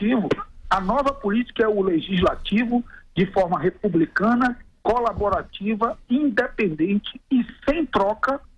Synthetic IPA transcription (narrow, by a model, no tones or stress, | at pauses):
ivʊɐnɔvɐpʊlit͡ʃi̥kɐɛʊleʒizlat͡ʃivʊd͡ʒɪfɔɾmɐɦepublikɐ̃nɐkolaboɾat͡ʃivɐĩnd̪epẽnd̪ẽnt͡ʃɪɪsẽj̃t̪ɾɔkɐ